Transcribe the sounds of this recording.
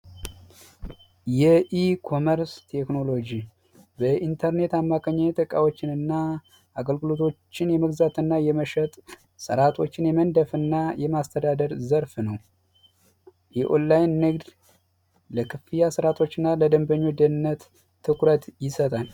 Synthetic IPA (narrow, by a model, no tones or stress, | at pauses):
jɛʔikʰo̞məɾst̪ʰe̞kno̞lo̞d͡ʒi | bəʔint̪ʰəɾne̞t̪amːakʰəɲːajt̪ʰʼəkʼa̰wo̞t͡ʃːɪnɨnːa | ʔaɡəlɡɨlo̞t̪ʰo̞t͡ʃːɪnjɛməɡzat̪ɨnːajɛməʃət̪ʼ | sə̰ɾat̪ʰo̞t͡ʃːɪnjɛmənd̪əfɨnːajɛmast̪ʰəd̪ad̪əɾzəɾfnəw | jɛʔonlajnːɨɡd̪ | ləkʰɨfɨjasɨɾat̪ʰo̞t͡ʃːɨnːaləd̪əmbəɲːod̪ənɨnːət̪ʰː | ɨkɾət̪jɪsət̪ʼal